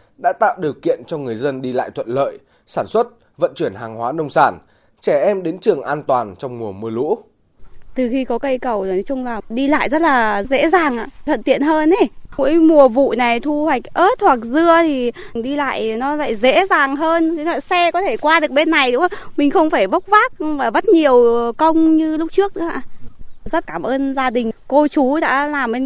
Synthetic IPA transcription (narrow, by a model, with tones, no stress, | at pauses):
ɗa̰ː˧˥t̪a̰ː˧˨wɗi˨˩əwkḭ˧˨ənt͡ɕɔ˧ŋɨ˨˩əjzə˧nɗi˧la̰ː˧˨jt̪ʰwə̰˧˨nlə̰ː˧˨j | saː˧˩nswə˦˥t̚ | və̰˧˨nt͡ɕwi˧˩ənɦaː˨˩ŋhwaː˨˦nə˧wŋ͡msaː˧˩n | t͡ɕɛ˧˩ʔɛ˧mɗe˨˦nt͡ɕɨ˨˩əŋʔaː˧nt̪waː˨˩nt͡ɕɔ˧wŋ͡mmu˨˩əmɨ˧əlṵ˧˥ | t̪ɨ˨˩xi˧kɔ˨˦kə˧jkə˨˩wnɔ˨˦t͡ɕʊ˧ŋ͡mlaː˨˩ɗi˧la̰ː˧˨jzə˦˥t̚laː˨˩zḛ˧˥zaː˨˩ŋʔa̰ː˧˨t̪ʰwə̰˧˨nt̪ḭ˧˨ənɦəː˧ne˨˧˩mṵ˧˥əjmu˨˩əvṵ˧˨na˨˩jt̪ʰu˧hwa˨˩jk̟̚ʔəː˦˥t̚hʰwa˨˩k̚zɨ˧ət̪ʰi˨˩ɗi˧la̰ː˧˨jnɔ˨˦la̰ː˧˥jzḛ˧˥zaː˨˩ŋɦəː˧n˨˦laː˧˨˩sɛ˧kɔ˨˦t̪ʰe˧˩kwaː˧ɗɨ˨˩ək̚ɓe˧nːa˨˩jɗu˨˦ŋ͡mmï˨˩ŋ̟xə˧wŋ͡mfaː˧˩jɓə˦˥wk͡p̚vaː˦˥k̚vaː˨˩və˦˥t̚ɲi˨˩əwkə˧wŋ͡mɲɨ˧lʊ˦˥k͡p̚t͡ɕɨ˦˥ək̚ɗɨ̰˧˥a̰ː˧˩˨zə˦˥t̚kaː˧˩mʔəː˧nzaː˧ɗï˨˩ŋ̟ko˧t͡ɕu˨˦ɗa̰ː˧˥laː˨˩mʔe˧n